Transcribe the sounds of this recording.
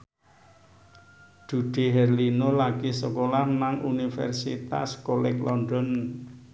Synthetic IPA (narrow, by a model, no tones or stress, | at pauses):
d̥ṳɖ̪̥eɦɛrlinolaɡ̥isəkolahnaŋunifɛ̰rsḭt̪a̰skolɪklɔnɖɔn